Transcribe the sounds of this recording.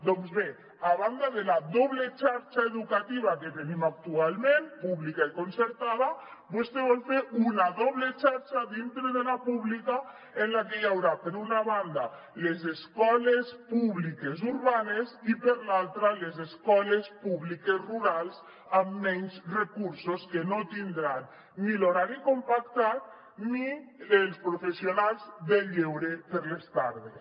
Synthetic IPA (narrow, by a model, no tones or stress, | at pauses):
d̪ɔŋzβe | aβand̪aðelaðɔβlet͡ʃaɾt͡ʃaeðukat̪iβ̞aket̪enimak̚t̪ualmẽmpuβlikaikonseɾt̪aðabost̪eβɔlfeɾunaðɔβlet͡ʃaɾt͡ʃaðint̪ɾeðelapuβlika | enlakejawɾapeɾunaβand̪a | lezeskɔlespuβlikezuɾβanezipeɾlalˠt̪ɾalezeskɔlespuβlikezruɾalˠz | amːɛɲzrekuɾsoskenot̪ind̪ɾanː | iloɾaɾikompak̚t̪at̪̚ | nielˠspɾofesionalˠzðeʎewɾepeɾlest̪aɾðes